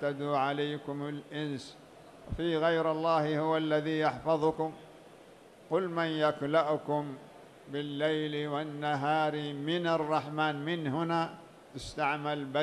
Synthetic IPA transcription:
ad̪uːʕalajkʊmʊlʔɪns | wfiːɣajɾɑlˤːɑːhhʊwalːaðiːjɑħfɑðˤʊkʊm | qʊlmanjaklaʔʊkʊm | bɪlːajlwanːaɦaːɾmɪnarˤːɑħmaːnmɪnɦʊnaː | t̪ʊst̪aʕmalba

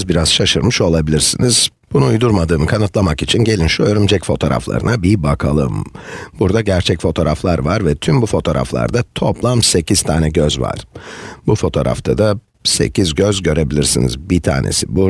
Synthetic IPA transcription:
zbiɾaz̥ʃaʃɯɾmɯʃo̞lˠabilʲiɾsiniz̥ | b̥unuːjd̪uɾmad̪ɯːmɯkʰanɯt̪lˠamakit͡ʃʰinɟe̞lʲinʃojoɾumd͡ʒɛcfo̞t̪ʰo̞ːɾa̰flˠa̰ɾɯ̰nabibakʰalˠɯ̰mbuɾd̪aɟæɾt͡ʃʰɛcfo̞t̪ʰo̞ːɾaflˠaɾvaɾvɛt̪ʰymbufo̞t̪ʰo̞ɾa̰flˠa̰ɾd̪at̪ʰo̞plˠamse̞cʰiz̥t̪ʰaːnɛɟøzva̰ɾ̥bufo̞t̪ʰo̞ːɾa̰ft̪ʰad̪a | se̞̰cizɟøzɟø̞ɾe̞bilʲiɾsinḭzbit̪ʰa̰ːnḛsibu

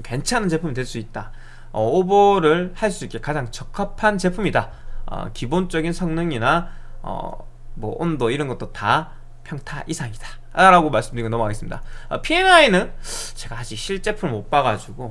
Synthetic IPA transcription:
kwe̞nt͡ɕʰanɯnt͡ɕe̞pʰumidwe̞ɭs͈uit̚t͈a | ʌoboɾɯɭhaɭs͈uik͈e̞kad͡ʑaŋt͡ɕʌkʰapʰant͡ɕe̞pʰumida | ʌ̰kibont͡ɕ͈ʌɡinsʰʌŋnɯŋinaʌ̰ | mwʌʔondoiɾʌnɡʌt͈ota | pʰjʌŋtʰaʔisʰaŋid̥ḁ | ɾaɡomaɭs͈ɯmdɯɾiɡonʌmukʰaɡesɯmɲidaʌ̰pʰie̞nainɯnt͡ɕe̞ɡaad͡ʑʰiɕʰiɭt͡ɕ͈e̞pʰɯɭmop͈aɣad͡ʑuɡo

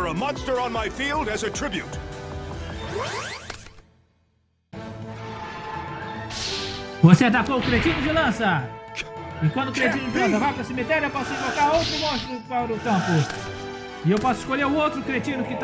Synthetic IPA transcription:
ə˞əmʌ̃nstə˞ə̃nmaɪfilˠdɨzɨtʰɹ̥ɪbjut | voseat̪akoʊkɾet͡ʃĩnʊd͡ʒɪlɐ̃sɐ | ɪkwɐ̃nd̪ʊkɾet͡ʃĩnʊd͡ʒɪlɐ̃s̬ɐvajpɾɐsemit̪ɛɾjʊewpɔsʊĩvokaɾowt̪ɾʊmõʃt̪ɾʊpaɾʊkɐ̃pʊ | ɪewpɔsʊɪ̥ʃkoʎeɾʊowt̪ɾʊkɾet͡ʃĩnʊkɪt̪

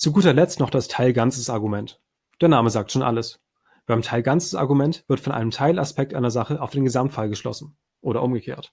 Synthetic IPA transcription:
t͡suɡuːtɐlɛt͡stnɔχd̥astʰaɪlɡant͡səsʔaɐɡumɛnt | d̥eːɐnaːməzaːk̚tʃoːnʔa̰ləs | b̥aɪmtʰaɪlɡant͡sə̥sa̰ɐɡumɛntv̥ɪɐtfɔnʔa̰ɪnəmtʰaɪlaspɛk̚tʔa̰ɪnɐzaχəʔaʊfd̥eːnɡəzamtfalɡəʃlɔ̰sn̩ | ʔoːɾɐʔʊmɡəkʰḛːɐt

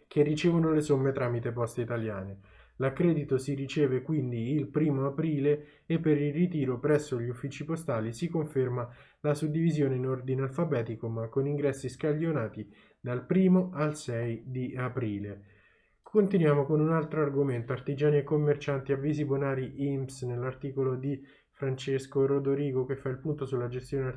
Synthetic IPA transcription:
k̟erːit͡ʃeːvonolesomːet̪ɾaːmit̪epɔst̪eit̪alja̰ːne | lakːɾɛːd̪it̪osirit͡ʃeːvekwind̪iːlpɾiːmoapɾiːleː | pːeɾilrit̪iːɾopɾɛsːoʎːiufːiːt͡ʃipost̪aːlisikoɱferma | lasud̪ːivizjoːneinord̪inealfabɛːt̪ikomakːoniŋɡɾɛsːiskaʎːonaːt̪i | d̪alpɾiːmoalsɛjd̪iapɾiːle | kʰont̪inwjaːmokonunalt̪ɾoarɡoment̪oart̪id͡ʒaːniekːomːert͡ʃant̪iavːizibonaːɾiʔimsnelːart̪iːkolod̪i | fɾant͡ʃeskoɾod̪oɾiːɡok̟efːailpunt̪osulːad͡ʒest̪joːne

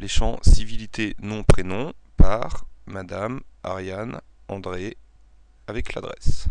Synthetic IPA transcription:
leʃɑ̃sivilit̪ʰenɔ̃pχenɔ̃paʁmad̪ama̰ʁjan | ɑ̃d̪ʁe | avɛkla̰d̪ʁɛ̰s

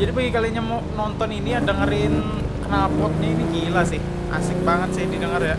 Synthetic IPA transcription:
d͡ʒadipəɡikaliɲamɔ | nɔnt̪ɔninijadəŋəɾɪn | kənalpɔt̪̚ɲainiɡilasɪh | ʔa̰sɪŋbaŋət̪̚sajadidəŋərja

